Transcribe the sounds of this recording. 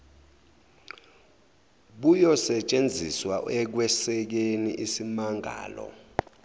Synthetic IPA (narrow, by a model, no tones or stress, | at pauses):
ɓujɔsɛt͡ʃʼend͡zʱiswaɛk̬wɛsɛk̬eniʔisimaŋʱa̰ːlɔ̰